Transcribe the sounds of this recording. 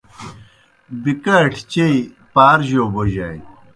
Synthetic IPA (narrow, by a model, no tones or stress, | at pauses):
bikɐʈʰt͡ɕei | paːɾʑoːboʑa̰j